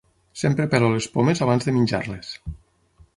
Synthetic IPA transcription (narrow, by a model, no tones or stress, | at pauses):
sempɾepeɾolespomezaβanzðeminʲd͡ʒa̰ɾles